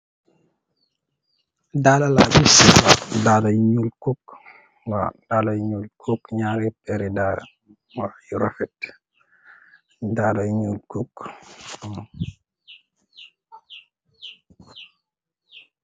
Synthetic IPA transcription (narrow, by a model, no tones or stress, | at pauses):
dalala̰bisiwa̰daːlajɲulkɔk | wa̰d̥aːlajɲuːlkʰɔkɲaːɾipɛɾida̰ | wajuɾafɛt | daːlajɲuːlkok